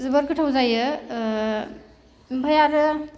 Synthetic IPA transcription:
zɯbəɾkʰɯʈʰawzajɯ | bʱajaɾɯ

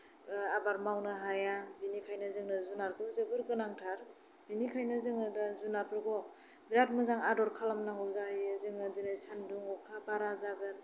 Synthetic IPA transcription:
abaɾmawnɯɦajabinikʰajnɯzɯŋnɯzunaɾkɯzɯbɯɾɡɯnaŋtʰaɾ | binikʰajnɯzɯŋɯdazunaɾpʰɯɾɡɔ | biɾat̚mɯzaŋadɔɾkʰalamnaŋɡɔzaɦizɯŋɯdɯnɯsandɯŋɔkʰabaɾazaɡɯn

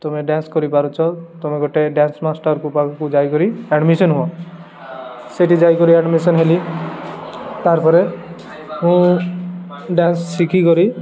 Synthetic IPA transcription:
t̪ɔmeɖanskɔɾipaɾot͡ʃʰɔt̪omeɡʱoʈeɖansmasʈaɾkupakʰakud͡ʒajkɔɾiɛɖmisɔnɦũã | seʈid͡ʒajkɔɾiɛɖmisɔnɦeli | t̪aɾpɔɾe | ɦũ | ɖansːikʰikɔɾi

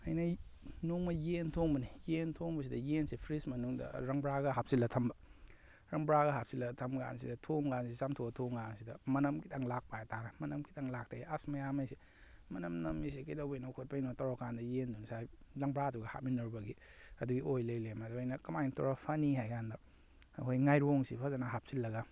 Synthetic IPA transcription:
ɐjnɐ | noŋmɐjentʰoŋbɐnijentʰoŋbɐs̬idɐjensipʰɾismɐnuŋdɐ̰ɾɐŋbɾaɡɐɦap̚silːɐtʰɐmbɐ | ɾɐŋbɾaɣɐɦap̚silɐtʰɐmɡa̰nsidɐtʰoŋɡansisamtʰoɡɐtʰoŋɡansidɐmɐnɐmkitʰɐŋlak̚pajatʰanɐmɐnɐmkitʰaŋlak̚taiasmɐjamɐjsi | mɐnɐmnɐmisikɐjdawbejnawkʰot̚pajnatɐwɾakʰandɐjendunsajlɐŋbɾaduɡɐha̰t̚minɐɾbɐɡiɐduɡiʔojlɐjlemaduajnɐkɐmajntɔɾapʰɐniɦajɡandɐ | ɦojŋajɾoŋsipʰazanɐɦap̚silːɐɡɐ

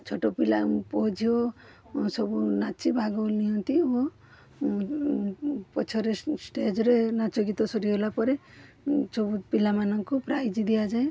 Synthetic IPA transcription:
t͡ʃʰoʈopilapɔd͡ʒʱio | sɔbunat͡ʃibʱaɡɔlniɦɔnt̪io | pɔt͡ʃʰɔɾesʈed͡ʒɔɾenat͡ʃɔɡit̪ɔsɔɾiɦolapɔɾe | sɔbupilamanɔŋkɔpɾajd͡ʒid̪ijad͡ʒae

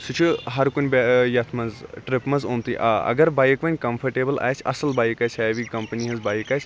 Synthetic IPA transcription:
sut͡ʃʰɨɦɐɾkunʲbjɐt̪ʰmɐnzʈɾɪpmɐzõːnt̪iʔaɐ̰ɡɐɾbaːjkʋɐnʲkɐmpʰɐɾʈeːbəla̰ːjt͡ʃʰɐ̰sɐlbaːjkaːt͡ʃʰʲɛːʋiːkɐmpɐniɦɐzbaːjkaːt͡ʃʰ

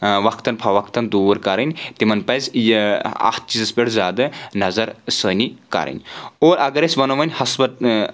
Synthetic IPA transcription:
ʋɐkʰt̪ɐnpʰɐʋɐkʰt̪ɐnd̪uːɾkɐɾɐnʲt̪imɐnpɐjzjɐ̰t̪̚ʰt͡ʃizɐspʲeɽzʲaːd̪ɐnɐzɐɾsəːnikɐ̰ɾɐ̰nʲoːɾʔɐɡɐɾesʲbɐnoʋɐnʲhɐsbɐt̪̚

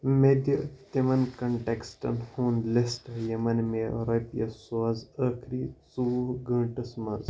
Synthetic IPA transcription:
med̪jɐt̪emɐnkɐɳʈeksʈɐ̰nhuːnlesʈɐjɐmɐnmeɾɐpjɐsoɐzəkʰɾiːt͡suuɡɐ̃ːʈɐsmɐ̰z

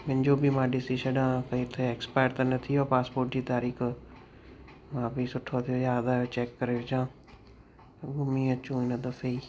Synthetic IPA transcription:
mɪ̃nd͡ʒoːbʱiːmãːɖɪsiːʃəɖãːkəĩːt̪ʰːeːɛːkspaːɾt̪aːnət̪ʰiːoːpaːspoːɾʈd͡ʒiːt̪aːɾiːkʰ | mãːpiːsʊʈʰːoːt̪ʰːoːjaːd̪aːt͡ʃɛːkːəɾeːʋɪd͡ʒãː | ɡʊmĩːət͡ʃũːɪnəd̪əfeiː

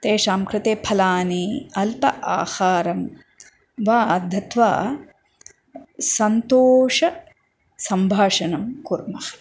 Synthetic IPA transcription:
t̪eːʃaːmkɾɪt̪eːpʰɐlaːniɐlpɐʔa̰ːhaːɾɐm | ʋaːd̪ʱɐt̪ʋa̰ː | sɐnt̪oːʂɐ | sɐmbʱaːʂɐnɐmkuɾmɐhɐ̥

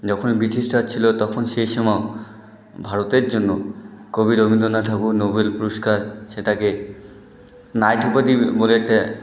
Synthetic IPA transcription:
d͡ʑɔkʰonbitʰisʈat͡ɕʰilot̪ɔkʰonʃejʃɔmao | bʱaɾot̪eɾd͡ʑonːokobiɾobʱind̪onat̪ʰakunobelpuɾoskaɾʃeʈake | najʈ̪ʰupad̪iboleʈe

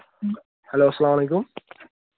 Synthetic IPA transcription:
hæloːasːælaːmʕaleːkʊm

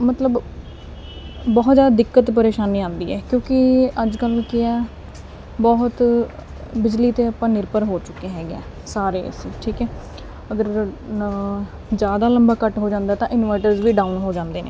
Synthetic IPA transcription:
mət̪ləb | bɔːt̪zjaːd̪ad̪ɪkːət̪pəɾeːʃaːniːãːnd̪iːɛ̰ːkjõːkɪəd͡ʒkəlkɪɛː | bɔɦt̪ | bɪd͡ʒliːt̪eːəpãːnɪɾpəɾɦoːt͡ʃʊkːeːɦɛːɡɛ̰ː | saːɾḛːsʈʰiːkɛː | əɡəɾ | d͡ʒjaːd̪aːləmbaːkəʈɦoːd͡ʒãːnd̪aːt̪ãːʔɪnʋaːɪʈəɾzʋiːɖaːunɦoːd͡ʒãːnd̪eːnḛː

